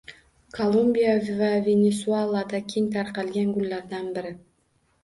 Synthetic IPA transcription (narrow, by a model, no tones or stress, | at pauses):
kʰolˠumbʲijavʲvavʲenʲesualˠad̪akʲʰiŋt̪ʰɑɾqɑlɡʲeŋɡʊlʲːaɾd̪ɑnbɪɾɪ